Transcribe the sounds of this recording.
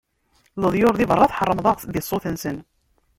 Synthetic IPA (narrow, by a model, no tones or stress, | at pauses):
ləðˤjʊɾðivərˤːɑθħərˤːəmðˤɑðisˤːoθənsən